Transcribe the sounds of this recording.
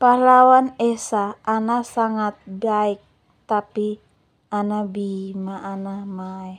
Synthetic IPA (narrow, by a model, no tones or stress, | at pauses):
palawanɛsaːnasaŋat̪̚ɡaik̚ | t̪api | anabimaʔːnamaɛh